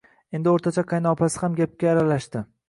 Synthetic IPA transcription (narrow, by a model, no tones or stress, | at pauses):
e̞nd̪ɪoɾt̪ʰat͡ʃʰaqʰɑjnɒpasɪ̥hamɡʲap̚kʲaːɾalaʃt̪ɪ